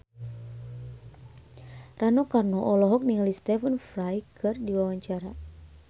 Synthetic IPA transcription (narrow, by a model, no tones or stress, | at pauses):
ranɔkarnɔʔɔlɔɦɔk̚niŋalist̪ɛfənfrajkʰɨrdiwawaɲt͡ʃaɾa